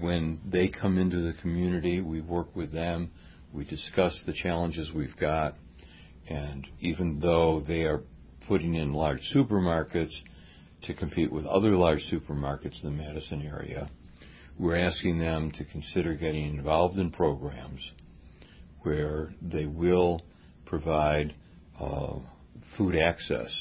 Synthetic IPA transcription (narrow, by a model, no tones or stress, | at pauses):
wɨ̃nðeɪkʰʌ̃mɪ̃ntʉðɨkʰmjʉnɨɾiwiwɜ˞kwɨðɨ̃m | widɨskʌsðɨt͡ʃʰælˠə̃nd͡ʒɨzwivɡɑɾ | ɨ̃nivɨ̃nðoʊðeɪə˞ | pʰʊɾɪ̃ŋɨ̃nlɑɹd̥ʒ̥sʉpə˞mɑɹkɨts | tʰɨkʰɨ̃m̩pʰiʔwɨðʌ̰ðə˞lɑɹd̥ʒ̥sʉpə˞mɑɹkɨtsn̩ðɨmɛɾɨsɨ̃nɛɹḭɨ̰ | wɪɹæskɪ̃ŋðɨ̃mtʰɨkʰn̩sɪɾə˞ɡɛɾɪ̃ŋɨ̃ɱvɑlˠvdɨ̃npʰɹ̥oʊɡɹæ̃mz̥ | wə˞ðeɪwɪlˠ | pʰɹ̥ɨvaɪd | fuɾæksɛ̰s